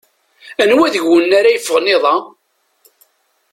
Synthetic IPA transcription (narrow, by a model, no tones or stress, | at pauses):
ænwæðəʝːənːaɾæjəfːəʁnɪðˤɑ